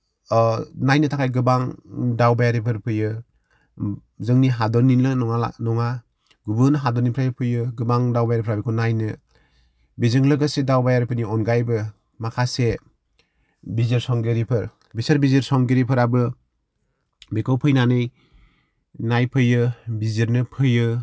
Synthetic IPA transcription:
najnɯtʰakʰajɡɯbaŋdawbajaɾipʰɯɾpʰɯjɯ | zɯŋniɦadɔninlɯnɔŋanɔŋa | ɡubɯnɯɦadɔninpʰɾajpʰɯjɯɡɯbaŋdawbajaɾipʰɯɾabikʰɔnajnɯ | bizɯŋlɯɡɯsedawbajaɾipʰɯniɔnɡajbɯ | makʰase | biziɾsɔŋɡeɾipʰɯɾ | bisɯɾbiziɾsɔŋɡeɾipʰɯɾabɯ | bekʰɔwpʰɯjnanɯj | najpʰɯjɯbiziɾnɯpʰɯjɯ

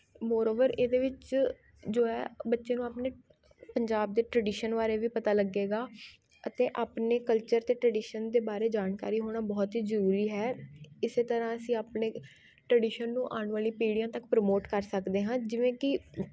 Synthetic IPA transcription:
moːɾoːʋəɾeːd̪eːʋɪt͡ʃ | d͡ʒoːɛːbətːʃeːnũːaːpneː | pəɲd͡ʒaːb̚d̪eːʈɾəɖiːʃənʋaːɾeːʋiːpət̪aːləɡːeːɡaː | ət̪eːʔaːpneːkəlt͡ʃəɾt̪eːʈɾəɖiːʃənd̪eːbaːɾeːd͡ʒaːnka̰ːɾiːɦoːɽ̃aːbɔːt̪ɦiːzəɾuːɾiːɦɛːɪseːt̪əɾãːəsĩːaːpneː | ʈɾəɖiːʃənːũːʔaːɳʋaːlĩːpiːɽijãːt̪əkpɾəmoːʈkəɾsəkd̪eːɦãːd͡ʒɪʋẽːkɪ

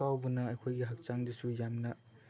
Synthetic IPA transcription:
awbunɐːjkʰojɡiɦak̚t͡ʃaŋdisujamnɐ

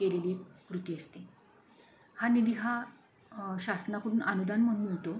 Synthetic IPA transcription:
kelelekɾut̪iːəst̪e | hanid̪iɦa | ɕasnakəɽuːnənud̪anməɳməɭt̪o

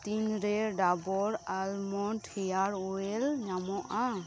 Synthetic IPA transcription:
t̪inɾɛɖabɔɾalmɔnʈhɛjaɾɔɛlɲamɔʔa

